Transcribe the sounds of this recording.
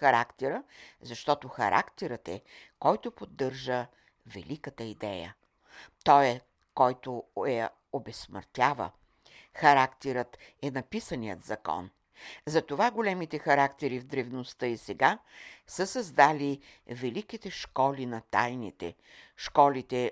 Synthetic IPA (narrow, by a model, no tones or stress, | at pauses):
xɐɾa̰kt̪ɛɾəzɐʃt̪ɔt̪oxɐ̰ɾʔa̰kt̪ɛɾət̪ɛ̰kɔjt̪opod̪ːɤɾʒə | vɛ̰likət̪əid̪ɛjə̰ | t̪ɔɛ | kɔjt̪oɛ | obɛsmə̰ɾt̪ʲavə̰ | xɐɾakt̪ɛɾət̪ɛnɐpisənijə̰t̪zɐkɔ̰n | zɐt̪ovaɡolɛmit̪ɛxɐɾakt̪ɛɾivd̪ɾɛvnost̪ɤisɛɡasəsɐzd̪ali | vɛlikit̪ɛʃkɔlinɐt̪a̰jnit̪ɛ̰ | ʃkɔlit̪ɛ